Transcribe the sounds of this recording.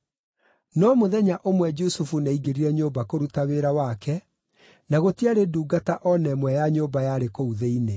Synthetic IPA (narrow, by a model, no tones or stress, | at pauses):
nɔmoðɛɲaʔomwɛd͡ʒusufunaiɡeɾiɾɛɲoːbakoɾutaweɾawakɛ | naɣotiaɾeduːɡataʔɔnɛmwɛjaɲobajaɾekouðeine